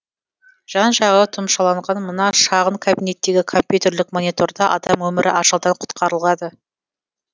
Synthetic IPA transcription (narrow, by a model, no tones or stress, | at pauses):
ʒ̥ɑnʒɑʁət̪ʰʊmʃɑlˠɑɴʁɑnmənɑʃɑʁəɴkʰobijne̞t̪ːe̞ɡʲɪkʰo̞mpʲjut̪ʲe̞rlɪkmo̞nʲit̪o̞rd̪ɑʔɑ̰d̪ɑmwɵmɪɾʔɪ̰ʔɑʃəlˠd̪ɑɴqʰʊ̥t̪qʰɑɾəlˠʁɑd̪ə